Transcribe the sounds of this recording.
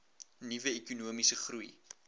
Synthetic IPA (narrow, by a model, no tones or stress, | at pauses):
nivəekunuəmisəχrui